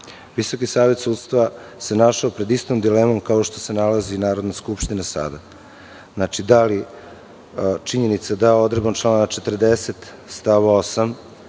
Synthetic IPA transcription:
ʋiso̞kisaːʋe̞t̪suːd̪st̪ʋa | se̞naʃaopɾe̞d̪ist̪omd̪ileːmo̞mkao̞ʃt̪o̞se̞nalazinaːɾo̞d̪naskupʃt̪inasa̰d̪a | znat͡ʃid̪ali | t͡ʃiɲe̞nit̪sad̪ao̞d̪ɾebant͡ʃlˠaːnaat͡ʃet̪r̩d̪eset̪ | st̪aʋaosam

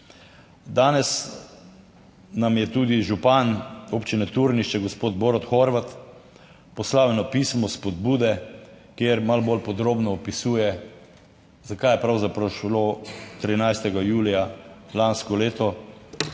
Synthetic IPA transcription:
d̪aːnɛs | namjɛt̪uːd̪iʒupanopt͡ʃinɛt̪uɾniʃt͡ʃɛɡɔspoːd̪̚boːɾɔt̪xɔɾʋat̪ | pɔslaːwjɛnɔpiːsmɔspɔd̪̚buːd̪ɛ | kjeːɾmalbolpɔd̪ɾoːbnɔːpisuːjɛ | zakajɛpɾawzapɾawʃlot̪ɾinajst̪ɛɡajuːlijalanskɔleːt̪ɔ

